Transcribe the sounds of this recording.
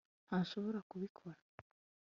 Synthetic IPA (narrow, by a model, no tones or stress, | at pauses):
haʃo̞βoɾakuβikʰoɾa